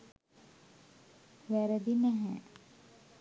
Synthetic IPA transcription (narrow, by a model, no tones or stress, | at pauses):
ʋæɾəd̪inɛɦɛ